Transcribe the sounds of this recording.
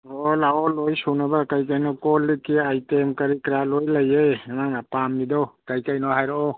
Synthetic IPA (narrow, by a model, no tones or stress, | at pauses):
ɔlaɔlojsunabakajkajnɔkɔlːikiajtemkɐɾikɾalojlajejnaŋapamnidɔwkajkajnɔɦajɾɔʔɔ